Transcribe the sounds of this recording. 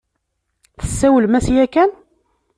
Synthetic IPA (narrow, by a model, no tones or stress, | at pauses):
θə̥sːæwəlmæsjækæn